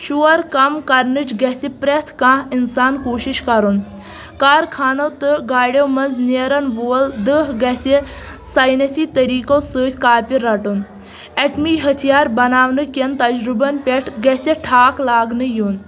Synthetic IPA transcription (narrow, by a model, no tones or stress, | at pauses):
ʃuːɐɾkɐmkɐɾnɨt͡ʃɡɐsipɾɐt̪ʰkãːɦinsaːnkoːʃiʃkɐɾun | kaːɾkʰaːnɐt̪ɨɡaːɽʲjowmɐnzneːɾɐnʋold̪ɨɦɡɐsesajnɐsiːt̪ɐɾiːkosɨːt̪ʰʲkaːpʲiɾːɐʈun | eʈmiːɦɐt̪ʰijaːɾbɐnaːʋnɨkɐnt̪ɐd͡ʒɾubɐnpʲeʈʰɡɐsʲeʈʰaːklaːɡnɨjuːn